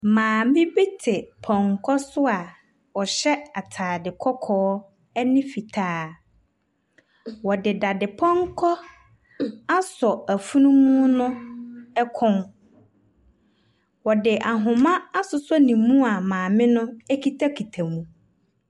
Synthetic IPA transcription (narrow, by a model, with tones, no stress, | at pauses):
mãː˨mɪ̃˦be˦tʰɪ˨pʰɔ̃˨ŋkʰɔ˦sʊ˦a˨ | ɔ˨ɕɛ˦a˨tʰaː˨dɪ˨kʰɔ˦kʰɔː˦ | ɛ˦nɪ̃˦fi˨tʰaː˦ | wɔ˨dɪ˨da˨dɪ˨pʰɔ̃˦ŋ˦kʰɔ˦ | a˦sɔ˨æ˨fu˦nũ˦mũ˦nʊ̃˦ɛ˦kʰɔ̃˦n | wɔ˨dɪ˨ʔa˨ɦʊ̃˨mã˦a˦sʊ˦sɔ˦nĩ˨mũ˦a˨mãː˨mɪ̃˦nʊ̃˦ɛ˦kʰi˦tʰa˦kʰi˨tʰa˨mũ˨